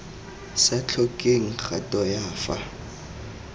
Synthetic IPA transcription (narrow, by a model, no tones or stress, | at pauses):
sat͡ɬʰɔkʼeŋ̩χatʼɔjaːfa